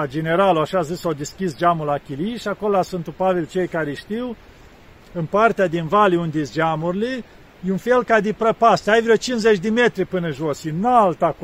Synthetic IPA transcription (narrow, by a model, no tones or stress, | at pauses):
ad͡ʒene̞ɾaloaʃazisawd̪eskʲisd͡ʒamulakʲiliʃako̞lasunt̪upavilt͡ʃe̞jkaɾeʃt̪iw | ɨnpart̪ead̪invaliund̪isd͡ʒamurile | junfe̞lkad̪epɾəpast̪ajvɾot͡ʃinzet͡ʃʲd̪emet̪ɾipɨnəʒosjenalt̪ak